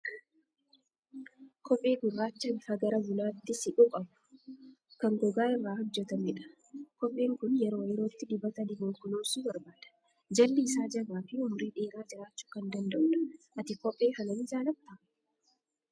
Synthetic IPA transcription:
kɔpʼːe̞ːɡʊrːaːt͡ʃːɐbɪfɐɡɐɾɐbʊlaːt̪ːɪsɪᶑʊkʼɐbʊ̥ | kɐŋɡɔɡaːɪrːaːhɔd͡ʒːɛt̪ɐmɪᶑɐ̥ | kɔpʼːeːŋkʊnjɛɾo̞ːjɛɾo̞ːt̪ːɪd̪ɪbɐt̪ɐnɪɡɔŋkʊnoːsuːbɐɾbaːd̪̥ɐ̥ | d͡ʒɐlːɪːsaːd͡ʒɐɡaːfɪʊmʊɾeːᶑeːɾaːd͡ʒɪɾaːt͡ʃːu̥ːkɐnd̪ɐnd̪ɐʔʊᶑɐ̥ʔɐt̪ɪkɔpʼːe̞ːhɐnɐnɪd͡ʒaːlɐb̚t̪ɐ

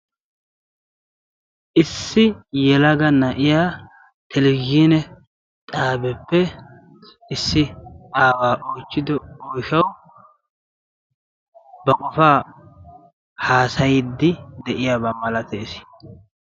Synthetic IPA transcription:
ʔɪsːɪjɛlɐɡɐnɐʔɪjaː | t̪ʰɛlɡinɛ | t̪ʼaːbɛpːɛ | ɪsːɪaːwaːʔoːt͡ʃːɪd̪ɔojʃɐw | bɐkʼɔfaː | haːsɐjɪd̪ːɪd̪ɛʔɪjaːbɐmɐlɐt̪eːsɪ̥

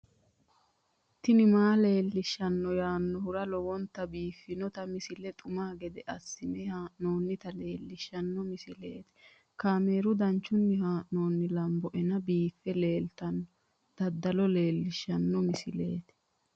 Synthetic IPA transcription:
t̪ːɪnɪmaːle̞ːlːɪʃːɐnːɔjaːnːɔhʊɾɐlɔwɔnt̪ːɐbiːfːɪnɔt̪ɐmɪsɪlɛt̪ʼʊmaːɡɛd̪ɛʔɐsːɪmɛhaːʔnoːnːɪt̪ɐle̞ːlːɪʃːɐnːɔmɪsɪle̞ːt̪ɛ̥ | kaːme̞ːɾʊd̪ɐnt͡ʃːʊnːɪhaːʔno̞ːnːɪlɐmbɔʔɛnɐbiːfːɛle̞ːlt̪ɐnːɔ | d̪̥ɐd̪ːɐlɔle̞ːlːɪʃːɐnːɔmɪsɪle̞ːt̪ɛ̥

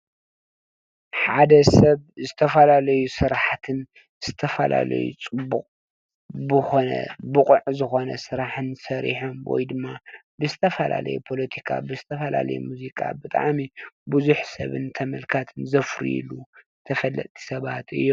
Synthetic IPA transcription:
ħad̪ɐsɐβzɨt̪ʰɐfɐlalɐjusɨɾaħt̪ʰɨn | z̥ɨt̪ʰɐfɐla̰lɐ̰jṵt͡sʼɨbːuqʼ | bɨxo̞nɐ̰bɨqʼʕzɨxo̞nɐsɨɾaħɨnsɐɾḭħomwɔ̰jd̪ɨmːabɨzɨt̪ʰɐfɐla̰lɐ̰jupʰo̞lɐt̪ʰikʰa̰bɨzɨt̪ʰɐfɐla̰lɐ̰jumuzikʼa̰bɨt̪ʼa̰ʕmibuzuħsɐ̰βɨ̰nt̪ʰɐmɐlkʰat̪ʰɨnzɐfɾḭlu | t̪ʰɐfɐlːɐ̰t̪ʼʰːi̥sɐβat̪ɨ̰jːom

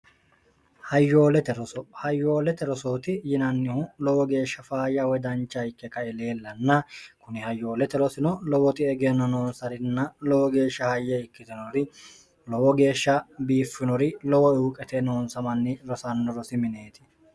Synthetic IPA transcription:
hɐjːo̞ːlɛt̪ɛɾɔsɔhɐjːo̞ːlɛt̪ɛɾɔsoːt̪ɪjɪnɐnːɪhʊlɔwɔɡe̞ːʃːɐfaːjɐwɔd̪ɐnt͡ʃːɐjɪkːɛkɐɪle̞ːlːɐnːɐkʊnɪhɐjːo̞ːlɛt̪ɛɾɔsɪnɔlɔwɔt̪ɪɛɡenːɔnoːnsɐɾɪnːɐlɔwɔɡe̞ːʃːɐhɐjːɛɪkːɪt̪ɪnɔɾɪ | lɔwɔɡe̞ːʃːɐbiːfːɪnɔɾɪlɔwɔuːkʼɛt̪ɛnoːnsɐmɐnːɪɾɔsɐnːɔɾɔsɪmɪne̞ːt̪ɪ̥

